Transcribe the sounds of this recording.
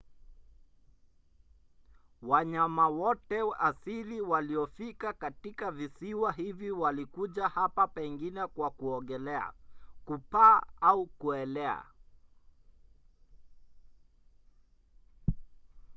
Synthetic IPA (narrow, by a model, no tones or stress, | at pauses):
waɲamawɔtɛasiliwaliɔfikakatikavisiwaɦiviwalikuʄahapapɛŋɡinɛkwakuɔɠɛlɛa̰kupaːaukuɛlɛa̰